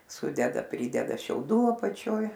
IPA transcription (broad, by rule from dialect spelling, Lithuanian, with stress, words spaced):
ˈsʊdʲɛdɐ ˈpʲrʲiːdʲɛdɐ ʃʲɛʊˈduː ɐpɐˈt͡ʃʲoːj